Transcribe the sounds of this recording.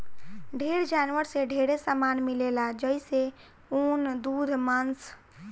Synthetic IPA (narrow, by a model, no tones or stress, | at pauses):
ɖʱeɾd͡ʒanʋəɾseɖʱeɾesamanmilelad͡ʒəise | ond̪ud̪ʱmans